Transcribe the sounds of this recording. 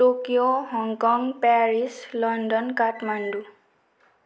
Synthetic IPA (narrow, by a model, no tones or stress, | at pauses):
tokijoɦɔŋkɔŋpaɹislɔndɔnkatmandu